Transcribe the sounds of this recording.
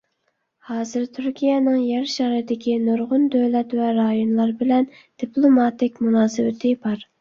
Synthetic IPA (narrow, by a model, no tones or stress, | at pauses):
hɑːzɨɾt̪ʰyɾkʲijɛnɨŋjɛɾʃɑɾɨd̪ɪkʲʰinoɾʁʊnd̪ølɛt̪vɛɾɑjonlˠɑɾbɪlɛn | d̪̥iplˠomɑt̪ɪkʲmunɑːsɨwɪt̪ʰɪbɑɾ